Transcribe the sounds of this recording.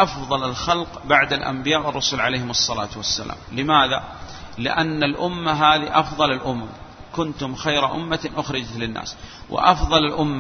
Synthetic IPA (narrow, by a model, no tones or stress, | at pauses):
ʔɑfðˤɑlalxalqbaʕd̪alʔa̰mbɪjaːʔwɪrˤːɑsuːlʕalejhɪmɑsˤːɑla̰ːt̪wasːa̰la̰ːmlɪmaːða | lɪ̰ʔanːalʔʊmːaɦaːðiʔɑfðˤɑlalʔʊmamkʊnt̪ʊmxajɾaʔʊmːaʔʊxɾɪd͡ʒat̪lɪnːa̰ːswʔɪ̰ʔɑfðˤɑlalʔʊmːa